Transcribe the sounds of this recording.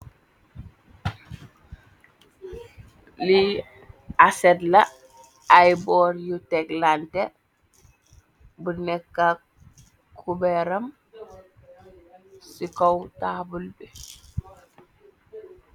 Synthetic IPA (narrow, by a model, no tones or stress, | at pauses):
li | asɛtlɐ | ajbɔɾjutɛklantɛ | bunɛkːa | kʰubɛɾɐm | sikowtaːbulbɛ